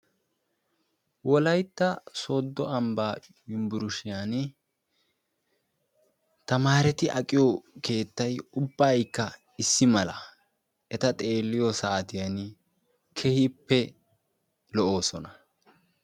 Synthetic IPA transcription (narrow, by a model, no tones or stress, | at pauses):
wɔlɐjt̪ːɐso̞ːd̪ːɔɐmbaː | jʊmbʊɾʊʃɪjan | t̪ɐmaːɾɛt̪ɪʔɐkʼɪjɔke̞ːt̪ːɐjʊbːaːjkːɐ | ɪsːɪmɐlɐ | ɛt̪ɐt̪ʼe̞ːlːɪjɔsaːt̪ɪjan | kʰɛhipːɛ | lɔʔo̞ːsɔnɐ